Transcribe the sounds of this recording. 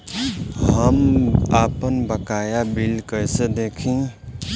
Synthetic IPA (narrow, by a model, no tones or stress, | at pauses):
ɦəmaːpənbəkaːjabilkəjsed̪eːkʰĩ